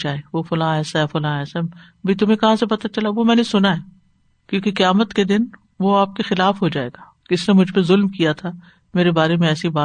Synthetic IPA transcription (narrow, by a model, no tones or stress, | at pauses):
t͡ʃaːeʋofʊlãːɛːsaɦɛfʊlãːɛːsaɛ | ɐbʱit̪̬ʊmẽkɐɦãsepɐt̪at͡ʃɐlaʋomɛ̃ːnesʊnaɦɛː | kjõːkeqɐjaːmət̪ked̪ɪn | ʋoaːp̚kexɪlaːfɦod͡ʒaːḛːɡaː | d͡ʒɪsnemʊd͡ʒʱpezʊlmkijat̪ʰaː | meːɾebaːɾemẽɛːsibaː